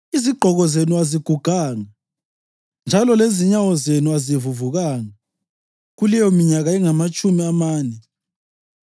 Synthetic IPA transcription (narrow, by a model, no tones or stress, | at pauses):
iziɡ͡ǃʱɔɣɔzenuaziɡ̥ʱuɡ̥ʱaːŋa | nd͡ʒʱalɔleziɲawɔzenuazivuvuɣaːŋa | ɣulɛjɔmiɲaɣaɛŋamat͡ʃʼumiamaːnɛ